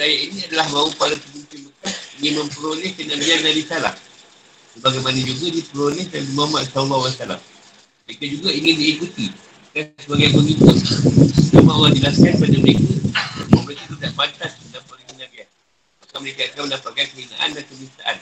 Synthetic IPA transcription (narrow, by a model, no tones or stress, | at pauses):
ɾajaʔinĩadalahmaupalap̪əminkinməkasiŋɪnmə̃mpəɾolɛhkənaɡiandadisala̰m | səbaɡajmanad͡ʒuɡadipəɾolɛhdandimamaʔsaumawasala̰m | ikad͡ʒuɡaiŋɪndiːkut̪i | kasəbaɡajbəŋikʊt̪̚samawadilasianpadaməɾekamaməɾekat̪udaʔbat̪asəndapakakənaɡian | makaʔməɾekaakaməndapat̪̚kajkəina̰ʔa̰ndankəmisaʔa̰n